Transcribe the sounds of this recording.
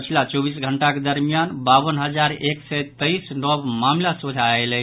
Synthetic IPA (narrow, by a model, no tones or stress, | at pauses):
pət͡ʃʰilat͡ʃɔbisɡʱəɳʈaked̪əɾmijanbabənɦəd͡ʒaɾeksɛt̪əisnɔbmamlasod͡ʒʱaelɛ